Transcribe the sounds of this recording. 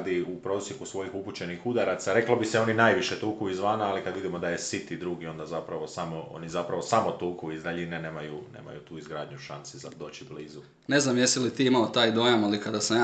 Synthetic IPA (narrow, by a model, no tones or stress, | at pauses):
d̪iupɾo̞ːsjekusʋo̞jixuput͡ɕe̞nixud̪aɾat̪saɾe̞klobiseo̞ninajʋiʃet̪uːkuizʋaːnaːlikad̪ʋid̪imo̞d̪aje̞sit̪id̪ɾuːɡio̞nd̪azapɾaʋo̞samoo̰nizapɾaʋo̞samo̞t̪uːkuizɾaʎinene̞ːmajunḛːma̰jut̪uːizɡɾaːd̪ɲuʃansiza̰d̪o̞ːt͡ɕibliːzu | ne̞znamjesilit̪iːimaot̪aːjd̪o̞jamalikad̪asamja